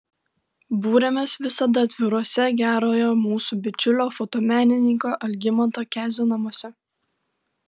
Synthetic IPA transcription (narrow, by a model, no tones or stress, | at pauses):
buːɾʲemʲeːsʋʲɪsɐd̪ɐt̪ʲʋʲɪɾoɔsʲɛɡʲæːɾoːjɛmuːsuːbʲɪt͡ʃʲʊlʲoːfɔt̪oːmʲæːnʲɪnʲɪŋkoːʔɐlʲɡʲɪmɐnt̪oːkʲæːzʲonɐmuɔsʲɛ